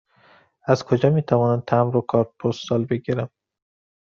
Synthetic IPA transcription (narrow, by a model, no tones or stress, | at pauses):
æzkʰod͡ʒɒːmiːt̪ʰævɒːnænt̪ʰæmɾokʰɒɾt̪̚pʰost̪sɒlbe̞ɡiɾæm